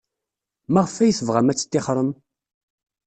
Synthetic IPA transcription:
maʁəfæjəθəvʁæmæt͡sːə̥t̪ːɪχɾˤəm

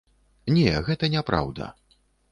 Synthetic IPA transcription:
nʲɛɣɛt̪ɐnʲɛpɾa̰wd̪ɐ̰

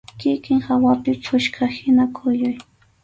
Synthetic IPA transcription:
kɪkɪŋhawapɪpʰʊʃkʰahɪnakʰʊjʊj

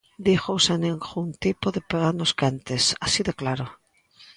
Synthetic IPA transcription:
d̪ixowseneŋxunt̪ipoðepaðanoskant̪esasiðoklaɾo

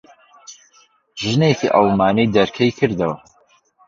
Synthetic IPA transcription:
ʒɨnekḭʔɐlˠmaːnijd̪ɐɾkʰɐjkʰɨɾd̪ɐwɐ

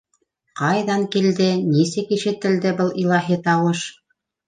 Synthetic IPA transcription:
qɑjðɑŋkild̪ɘnisɘkiʃɘ̆t̪ɘ̆ld̪ɘbɤlˠilˠɑɦit̪ɑwɤʃ

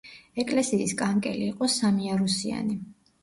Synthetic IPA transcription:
ɛkʼlɛsiːskʼaŋkʼɛliːqʼɔsamiaɾusia̰ni

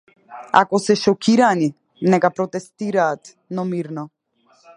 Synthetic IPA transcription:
a̰kɔsɛʃɔkiɾani | nɛkapɾɔt̪ɛst̪iɾaːt̪ | nɔmiɾnɔ

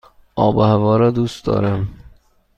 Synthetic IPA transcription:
ʔɒːbohævɒːɾɒːd̪ust̪̚d̪ɒ̰ːɾæm

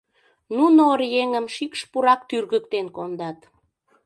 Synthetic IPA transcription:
nunorjeŋəmʃikʃpuɾɑkt̪yrɣək̚t̪enkond̪ɑt̪

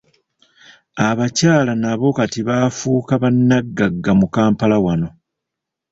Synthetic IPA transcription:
aβacaːlanaβo̞katiβaːfuːkaβanːaɡːaɡːamukaːmpalawano̞

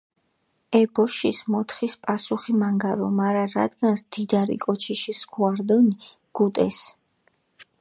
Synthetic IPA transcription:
ɛbɔʃismɔt̪ʰχispʼasuχimaŋɡaɾɔ̰maɾaɾa̰d̪ɡansd̪̥id̪aɾḭkʼɔt͡ʃʰiʃisɡʰuaɾd̪ɛni | ɡ̥ut̪ʼɛ̰s

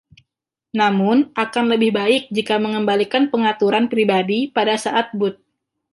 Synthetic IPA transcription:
namʊnʔakanləbɪhbaɪk̚d͡ʒikaməŋəmbalikanpəŋat̪uɾanpɾibadipadasaʔat̪̚bʊt̪̚

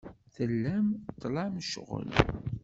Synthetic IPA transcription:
θəlːæmt̪ˤːlɑmʃʁə̰l

